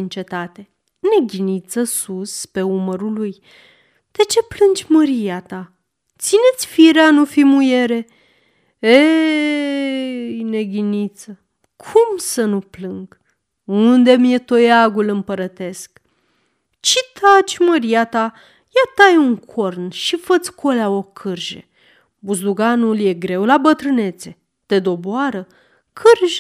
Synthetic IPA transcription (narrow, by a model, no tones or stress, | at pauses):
int͡ʃe̞t̪at̪e̞ | ne̞ɡʲinit̪səsuspe̞uməɾuluj | d̪̥e̞t͡ʃe̞plɨnd͡ʒʲməɾiat̪a | t̪sine̞t̪sʲfiɾeanufimujeɾe̞ | e | jne̞ɡʲinit̪sə | kʰumsənuplɨŋɡ | und̪e̞mije̞t̪o̞jaɡulɨmpəɾət̪e̞sk | t͡ʃit̪ʰat͡ʃʲməɾijat̪a | jat̪ajuŋkʰornʃifət̪sʲkʰolaokʰɨrʒḛ | buzluɡanulje̞ɡɾe̞wlabət̪ɾɨne̞t̪se̞ | t̪e̞d̪o̞boaɾə | kʰɨrʒ